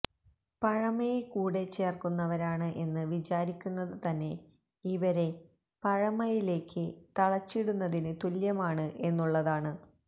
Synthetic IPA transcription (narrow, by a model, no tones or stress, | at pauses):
pɐɻɐmɐjekuːɽe̞t͡ɕːe̞ːrkunːɐʋɐɾaːɳɨʔe̞nːɨʋit͡ɕaːɾikʲːunːɐðɨt̪ɐnːe̞ | iʋɐɾe̞ | pɐɻɐmɐjile̞ːkːɨt̪ɐɭɐt͡ɕːiɽunːɐðinɨt̪uljɐmaːɳɨʔe̞nːuɭːɐðaːɳɨ